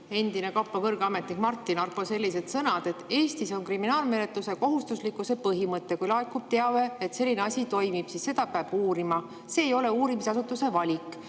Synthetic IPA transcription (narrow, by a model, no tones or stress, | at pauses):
e̞nd̪̥ine̞kɑpːˑekɤrɡ̥ɑme̞t̪nik̚mɑrt̪ːˑinɑrpːose̞lʲːise̞d̪̥sɤnɑd̪̥e̞t̪ːˑe̞ːst̪iso̞nkriminɑːlme̞ne̞t̪ːˑuse̞ko̞ɦust̪uslikːˑuse̞pɤɦimɤt̪ːˑe̞kujlɑekːub̥̚t̪eɑveet̪se̞lːineɑsʲit̪o̞jmib̥sisːe̞d̪̥ɑpeɑb̥uːɾimɑ | se̞ːjo̞le̞uːɾimisɑsut̪ːˑuse̞vɑlʲikːˑ